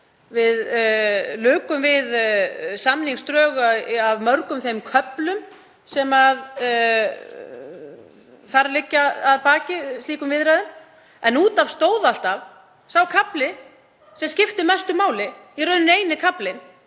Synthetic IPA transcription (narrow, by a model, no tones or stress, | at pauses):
vɪð | lœːkʏmvɪðsamniŋst̪ɾœːɣʏaavmœɾkʏmθejmkʰœplʏm | sɛmað | θarlɪcːaːðpaːcɪsliːkʏmvɪðɾajðɪn | ɛnuːt̪avst̪oːwðal̥t̪av | sawkʰaplɪ | sɛmscɪft̪ɪmɛst̪ʏmaːwlɪ | iɾœðʏneːjnɪkʰaplɪn